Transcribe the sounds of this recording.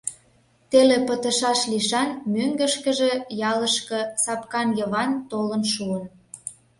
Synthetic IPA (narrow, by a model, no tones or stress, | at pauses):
t̪elepət̪ə̆ʃɑʃliʃɑnmøŋɡə̆ʃkə̆ʒe̽jɑləʃkɤ̆sɑpkɑnjəβɑnt̪olənʃuən